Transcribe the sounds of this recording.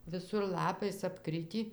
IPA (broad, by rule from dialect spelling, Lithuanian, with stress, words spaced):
ʋʲɪˈsʊr ˈlˠɑːpɐɪs ɐpˈkrʲɪtʲiː